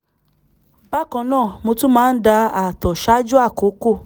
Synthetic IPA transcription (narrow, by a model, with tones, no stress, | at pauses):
b̥a˦kã˨nãː˦˨mo˧tu˦mãː˦˧n̩˦da˧a˨tɔ˨ʃa˦d͡ʒu˦a˦˨ko˨˦ko˦˨